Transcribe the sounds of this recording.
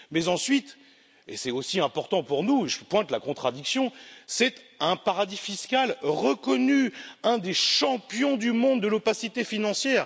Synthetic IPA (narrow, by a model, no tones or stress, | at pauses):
mɛzɑ̃sɥit̪ | ḛsɛosiɛ̃pɔʁt̪ɑ̃puʁnueʒəpwɛ̃t̪lakɔ̃t̪χad̪iksjɔ̃sɛt̪ɛ̃paʁad̪ifiskʲalʁəkɔnyɛ̃d̪eʃɑ̃pjɔ̃d̪ymɔ̃d̪ːəlopasit̪efinɑ̃sjɛːʁ